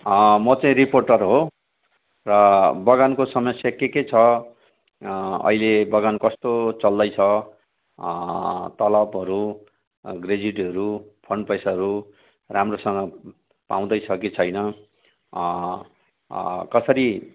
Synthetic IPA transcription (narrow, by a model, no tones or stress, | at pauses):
mʌt͡saĩɾiporʈʌrɦo | rʌbʌɡankosʌmʌsjakeket͡sʰʌ | ʌ̰ilebʌɡankʌst̪ot͡sʌld̪ʌjt͡sʰʌ | t̪ʌlʌbɦʌɾu | ɡred͡ziʈɦʌɾupʰʌɳɖpʌjsaɦʌɾu | ramrosʌŋɡʌ | paw̃d̪ʌjt͡sʰʌket͡sʰʌjnʌ | kʌsʌɾi